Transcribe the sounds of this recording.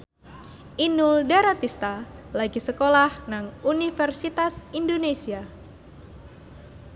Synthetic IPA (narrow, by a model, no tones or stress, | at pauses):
ʔinuldaɾat̪ist̪alaɡisəkolahnaŋunifərsit̪asindonesia